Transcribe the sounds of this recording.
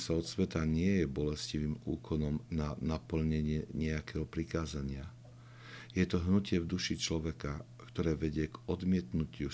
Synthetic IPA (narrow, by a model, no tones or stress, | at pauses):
saɔt̪sʋɛt̪aɲɪɛjɛbɔlɛsciʋiːmṵːkʰɔnɔmnanapl̩ɲɛɲɪɛɲɛakɛɦɔpɾikaːzaɲɪa | jɛt̪ɔɦnucɪɛvd̪uʃit͡ʃlɔʋɛka | kt̪ɔɾɛːʋɛɟɪɛɡɔd̪mɪɛt̪nucɪu